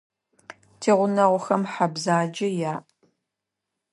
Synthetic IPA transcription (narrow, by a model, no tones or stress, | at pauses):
tʰeːʁʷʊnɐʁʷʊxɐmħabzaːd͡ʒɐjaːʔ